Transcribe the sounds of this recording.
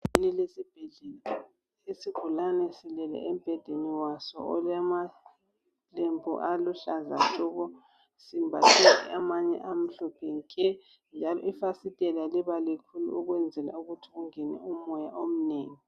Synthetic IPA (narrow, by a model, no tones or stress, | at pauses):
inilesib̥ʱɛɮɛl | esiɡ̥ʱulanɛsilɛlɛ̰ɛm̩b̥ʱɛd̥ʱeniwasɔ̰ɔlɛma | lembʰʱṵʔaluɬaza̰tʼuːɣɔ | simbʱatʰitʰɛ̰amaɲɛ̰ʔam̩ɬɔpʰɛŋkʰʼɛ | nd͡ʒʱalɔ̰ifasitʼɛlaliβalikʰulṵuɣwɛnd͡zʱɛla̰uɣutʰiɣuŋɛnɛ̰umɔjaʔom̩neːŋi